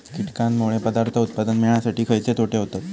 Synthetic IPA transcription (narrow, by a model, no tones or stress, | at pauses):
kiʈkanmoɭepəd̪aɾt̪ʰəut̪̚pad̪ənmiɭɳjasaʈiːkʰəjt͡set̪ʰoʈeɦot̪at̪